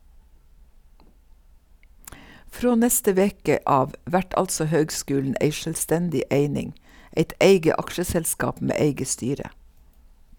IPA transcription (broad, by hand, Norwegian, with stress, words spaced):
ˈfɾoː ˈnɛstə ˈʋeːkə ˈɑːʋ ˈʋæʈ ˈɑltsɔ ˈhøːɡˌskʉːln̩ ˈʔeɪ ˌʃœlˈstɛndɪ ˈʔeɪnɪŋ ˈeɪt ˈʔeɪɡə ˈɑkʃəsɛlˌskɑːp ˈmeː ˈeɪɡə ˈstyːɾə